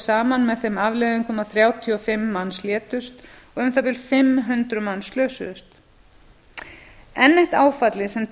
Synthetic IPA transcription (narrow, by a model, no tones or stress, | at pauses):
saːmanmɛðθɛmavlɛðɪŋkʰɔmaθɾjaːwt̪ʰiɔfɪmːanːsljɛːt̪ʏst̪ɔɣʏmθawpɪlfɪmːɦʏnt̪ɾʏmanːslœːwsʏ̰ðʏst̪ | ɛnːɪht̪aːwfat̪lɪsɛm